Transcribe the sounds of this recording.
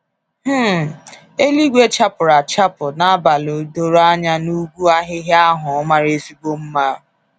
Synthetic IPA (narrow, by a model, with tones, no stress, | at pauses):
h̩˦ | e˦li˦ɡʷe˦t͡ʃa˦pʊ˨ɾa˨t͡ʃa˦pʊ˨na˦a˦ba˨lo˨do˦ɾa˦ɲa˦nu˦ɡʷu˦a˦ɦɪ˦ɦɪ˦a˦ɦʊ˨˦ma˦ɾe˦si˦ɡ͡bo˦m̩˦ma˦˨